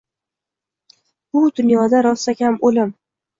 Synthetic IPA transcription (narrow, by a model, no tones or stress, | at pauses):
b̥ʊd̪ʊnjɒd̪aɾɒsakʲamolɪm